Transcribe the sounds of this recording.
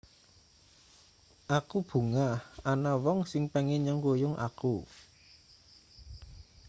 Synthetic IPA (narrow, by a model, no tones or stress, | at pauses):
ʔakub̥ṳŋahanawɔŋsɪŋpɛŋɪɲɔŋɡojʊŋʔa̰ku